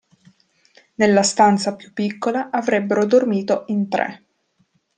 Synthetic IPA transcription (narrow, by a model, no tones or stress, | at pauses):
nelːast̪ant̪sapju̥pːikːolaʔavɾɛbːeɾod̪ormiːt̪oint̪ɾɛ̰